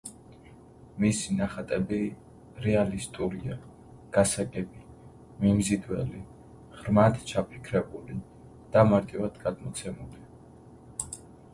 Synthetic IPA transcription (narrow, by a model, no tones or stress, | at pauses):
misinaχat̪ʼɛbi | ɾɛalist̪ʼuɾia | ɡ̥asaɡɛbi | mimzid̪wɛli | ʁɾmad̪t͡ʃʰapʰi̥kʰɾɛbuli | d̪̥amaɾt̪ʼivad̪ɡad̪mɔt̪sʰɛmuli